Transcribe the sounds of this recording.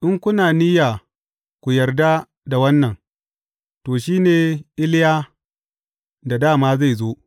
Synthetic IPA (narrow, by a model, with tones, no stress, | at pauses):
ʔɪ˦ŋkʷʊ˦naː˨ni˦ja˨ | kʷu˨jɐ˨rda˦ | da˨wɐ˦nːɐ˨ŋ | toː˨ʃiː˦neː˨ʔɪ˦lɪ˦jaː˦ | da˨daː˦˨maː˦za˦˨jzoː˦